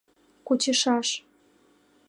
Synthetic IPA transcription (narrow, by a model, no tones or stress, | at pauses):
kut͡ɕəʃɑʃ